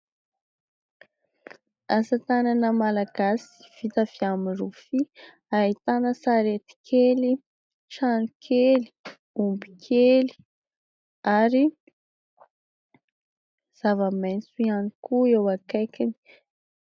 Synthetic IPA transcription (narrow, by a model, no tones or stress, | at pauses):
asat̪ananəmalaɡ̥asi̥v̥it̪av̥iamirufi | ait̪anəsaɾet̪i̥kʰeli | ʈ͡ʂanikʰeli̥ | umbi̥kʰeli̥ | aɾi | z̥avəment͡suianikuewakajkani̥